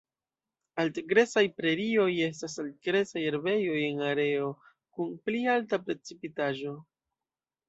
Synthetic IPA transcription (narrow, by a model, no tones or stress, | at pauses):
altɡɾe̞sajpɾe̞ɾio̞je̞s̬tasalt̚ɡɾe̞sajeɾbe̞jo̞je̞naɾe̞o̞ | kunplialtapɾe̞t͡sipitaʒo̞